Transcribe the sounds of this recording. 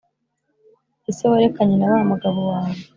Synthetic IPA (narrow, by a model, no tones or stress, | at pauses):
isewaɾekaɲenaɾaːmaɡaβowaːno